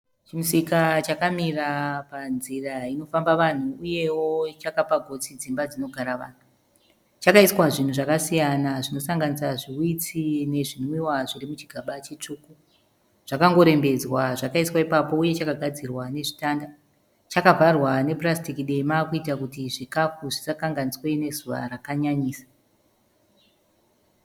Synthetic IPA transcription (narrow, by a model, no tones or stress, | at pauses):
t͡ʃimusikat͡ʃakamirapanziraino̞fambaʋan̤uuje̞wot͡ʃakapaɡʱo̞t͡sid͡zimbad͡zino̞ɡʱaɾaʋa̰ːn̤u | t͡ʃakaiswaʐin̤uʐakasijanaʐino̞saŋɡanisaʐiwit͡sine̞ʐinwiwaʐirimut͡ʃiɡʱaɓat͡ʃet͡ʂuːku | ʐ̥akaŋɡo̞ɾe̞mbe̞d͡zwaʐakaiswaipapo̞uje̞t͡ʃakaɡʱad͡zirwane̞ʐitanda | t͡ʃakavarwane̞prastikiɗe̞maːkuitakutiʐikafuʐisakaŋɡaniswene̞zuʋa̰rakaɲaɲiːsḁ